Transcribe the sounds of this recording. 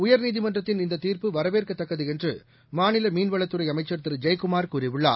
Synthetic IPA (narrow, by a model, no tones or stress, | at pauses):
ʊjɐɾniːðɪmɐndrɐt̪ːɪnɪnd̪ɐt̪iːɾpɯʋɐɾɐʋeːrkɐt̪ːɐkːɐðɯɛndrɯ | maːnɪlɐmiːnʋɐɭɐt̪ːɯɾɐɪɐmɐɪt͡ʃːɐɾt̪ɪɾɯd͡ʒɐjkʊmaːɾkuːɾɪʋɪɭːa̰ː